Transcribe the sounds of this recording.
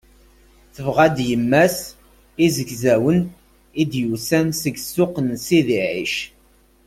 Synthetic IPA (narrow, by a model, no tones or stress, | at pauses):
θəvʁæd̪jəmːæs | izəɡzæwən | id̪jusænsəɡsːʊqənsiðiʕḭʃ